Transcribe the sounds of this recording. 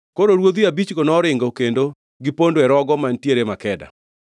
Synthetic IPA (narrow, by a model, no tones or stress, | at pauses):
koɾoɾwod̪iabit͡ʃɡonɔɾɪŋɡokendo | ɡipondoɛɾɔɡɔmantjeɾemakɛda̰